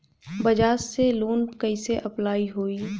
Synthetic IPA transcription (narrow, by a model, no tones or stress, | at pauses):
bəd͡ʒaːsseloːnkəɪseʔɐplaːiɦoːiː